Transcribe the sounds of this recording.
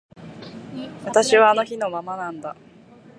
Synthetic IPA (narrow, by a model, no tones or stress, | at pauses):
βat̪aɕiβaːno̞çino̞mamanãnd̪a